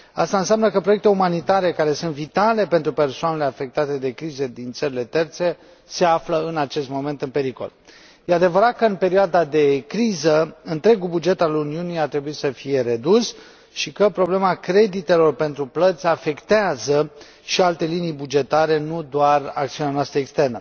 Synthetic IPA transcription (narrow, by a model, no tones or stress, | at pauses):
a̰st̪aɨnsjamnəkəpɾojek̚t̪e̞umanit̪aɾe̞kaɾe̞sunt̪vit̪ale̞pent̪ɾupe̞rsoaneleafe̞k̚t̪at̪e̞d̪ekɾized̪int̪səɾile̞t̪e̞rt̪se̞ | se̞afləɨnat͡ʃe̞st̪mo̞me̞nt̪ɨnpe̞ɾiko̞̰l | jead̪e̞vəɾat̪̚kəɨnpe̞ɾioad̪ad̪e̞kɾizəɨnt̪ɾe̞ɡubud͡ʒe̞t̪aluniuniat̪ɾe̞buit̪səfije̞ɾe̞d̪us | ʃikəpɾo̞ble̞makɾe̞d̪it̪e̞lo̞rpe̞nt̪ɾuplət̪sʲafe̞kt̪eazə | ʃialt̪e̞linijbud͡ʒe̞t̪aɾe̞nud̪oara̰kt̪siuneanast̪ɾəekst̪e̞rnə